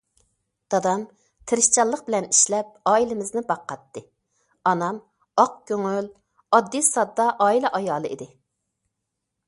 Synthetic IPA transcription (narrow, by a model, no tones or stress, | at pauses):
d̪̥ɑd̪ɑm | t̪ʰɪɾɪʃt͡ʃɑlˠəqbɪlɛniʃlɛp̚ɑːilɪmɪznɪbɑqːɑt̪ːɨ | ɑnɑm | ɑq̚kʲʰøŋøl | ɑd̪ːisɑd̪ːɑʔɑːilɛʔɑjɑːlˠɨḭd̪ɪ